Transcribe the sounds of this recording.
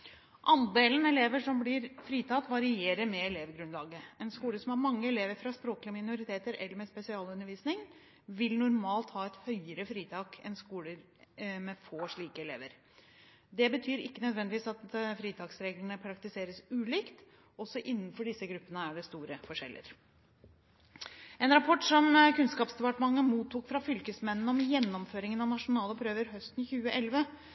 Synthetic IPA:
ʔɑnd̪eːlənɛleːʋəʂɔmblɪɾfɾiːt̪ʰɑt̪ːʋɑɾɪeːɾəɾmɛɛleːʋɡɾʉnlɑːɡəɛnskuːləsɔmhæɾmɑŋːəɛleːʋəɾfɾɑspɾoːklɪəmɪnʊɾɪt̪ʰeːt̪əɾɛ̰lːəɾmɛspɛsɪɑːlʉnːəɾʋiːsnɪŋ | ʋɪlnʊɾmɑːlt̪hɑːɛt̪hœʏəɾəfɾiːt̪ʰɑːkʰɛ̰nskuːləɾ | mɛfoːʂɭiːkəɛlḛːʋəɾ | d̪ɛbət̪ʰyːɾɪkːənœd̪ʋɛnd̪ɪʋiːsɑt̪fɾiːt̪ʰɑːksɾeːɡləɳəpʰɾɑkt̪ɪseːɾəsʉːliːkt̪ | ɔsːɔʔɪnːnfɔɖɪsəɡɾʉpːənəæɖɛst̪uːɾəfɔʂɛ̰lʔə̰ɾ | ɛnɾɑpʰɔʈːsɔmkʉnskɑːpsd̪ɛpɑʈəmɑŋːəmuːt̪ʰːuːkfɾɑfʏlkəsmɛnn̩ɔmjɛnːɔmføːɾɪŋənɑʋnɑʂʊnɑːləɔpʰɾøːʋəɾɦœst̪nçʉːəʔɛlʋə

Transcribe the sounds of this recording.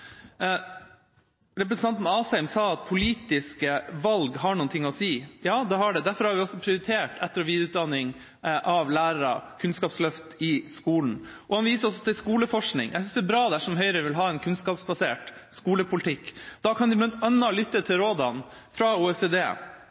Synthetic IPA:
ɾɛpɾɛsən̩ɑnt̪n̩ɑːsɛɪmsɑːɑt̪̚pʰʊliːt̪ɪskəʋɑlɡɦɑɳuːnt̪ʰɪŋːɔsiːjɑːd̪ɛhɑɖɛd̪æɾfɔɾhɑɾʋɪɔsɔpʰɾɪʊɾɪt̪ʰeːʈʰɛt̪ːəɾɔʋiːd̪ɾʉːt̪̚d̪ɑnːɪŋ | ʔɑʋlæːɾəɾɑ̰kʰʉnskɑːpslœft̪ɪskuːln̩ | ʔɔhɑnʋiːsəɾɔs̬ɔt̪ʰɪlskuːləfɔʂknɪ̰ŋjʔɛɪsʏnsd̪ɛːbɾɑːd̪æʂɔmɦœʏɾəʋɪlɦɑːɛnkʰʉnskɑːpsbɑsḛːʈskuːləpʰʊlɪt̪ʰɪkːd̪̥ɑkʰɑnɪblɑnt̪œnːɑlʏt̪ːət̪ʰɪlɾoːd̪ɑn | fɾɑuːɛseːd̪ḛː

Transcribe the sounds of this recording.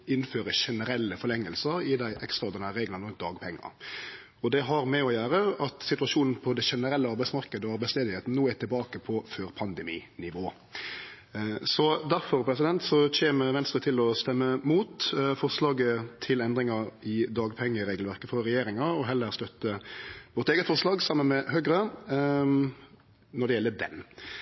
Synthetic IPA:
ɪnːføːɾəʂɛnəɾɛlːəfɔlɛŋːəlsəɾɪd̪æɪʔɛkst̪ɑd̪ənəɾeːɡlɑnəmɔd̪ɑːɡpʰɛŋːɑ̰ | ɔd̪ɛɦɑɾmɛɔjæːɾəɑt̪sɪt̪ʉɑʂuːnn̩pʰɔd̪ɛʃɛnəɾɛlːəɑɾbæɪtsmɑɾkəd̪əɔʋɑɾbæɪst̪eːd̪ɪeːt̪n̩noːæʈʰɪlbɑːkəpʰɔføːɾpʰɑnd̪ɛmḭːnɪʋoː | sɔd̪æɾfɔɾpʰɾɛsɪd̪ɛnt̪sɔçeːməʋɛnst̪ɾət̪ʰɪlɔst̪ɛmːəmuːt̪fɔʁslɑːɡət̪ʰɪlɛnd̪ɾɪŋɑɾɪd̪ɑːɡpʰɛŋːəɾeːɡəlʋæʁkəfɔɾːɛjeːɾɪŋɑɾɔɦɛlːəɾst̪œt̪ːəʋɔɾt̪eːɡət̪fɔʁʂlɑːɡsɑmːənmɛhøːɡɾə | nɔɖɛjɛlːəd̪ɛ̰n

